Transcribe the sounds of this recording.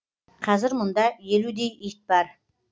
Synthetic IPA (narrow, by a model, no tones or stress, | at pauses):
qʰɑzɪɾmʊnd̪ɑje̞lud̪ejit̪̚bɑɾ